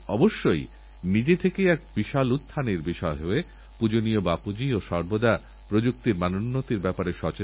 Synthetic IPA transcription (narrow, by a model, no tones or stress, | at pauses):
ɔboʃːoj | nid͡ʑet̪ʰekejɛk̚biʃalut̪ʰːaniɾbiʃɔeɦoe | pud͡ʑonijobapud͡ʑioʃɔɾbod̪a | pɾod͡ʑuk̚t̪iɾmanonːot̪iɾbɛpaɾeʃɔt͡ɕe